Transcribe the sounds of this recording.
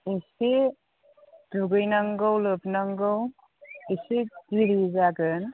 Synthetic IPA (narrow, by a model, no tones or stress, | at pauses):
isi | d̥uɡɯjnaŋɡawlɯbnaŋɡɯw | ised̥iɾizaɡɯn